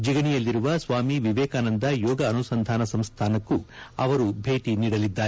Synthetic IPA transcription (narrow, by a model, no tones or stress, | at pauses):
d͡ʒiɡɐɳijɐlːiɾuʋɐsʋaːmiʋiʋɛːkaːnɐnd̪ɐjɔːɡɐːnusɐnd̪ʱaːnɐsɐmst̪ʰaːnɐkːuɐ̰ʋɐɾubʱe̞ːʈiniːɽɐlid̪ːaːɾ